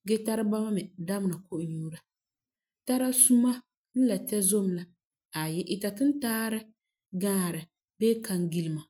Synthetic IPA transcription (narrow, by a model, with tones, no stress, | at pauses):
ɡɛ˦ta˦ɾɨ˦ba˦ma˦mɛ˨da˦m˨na˨ko˦ʔʊ˨ɲuː˦ɾa˨ | ta˦ɾa˦su˦ma˦ | n̩˦la˨tɛ˦zo˦m˦la˦ | a˨jɛ˦ʔi˨ta˨tɨ˦n˦taː˦ɾɨ˦ | ɡaː˦˨ɾɨ˨ | beː˦ka˨ŋ˦ɡi˦lɨ˨ma˨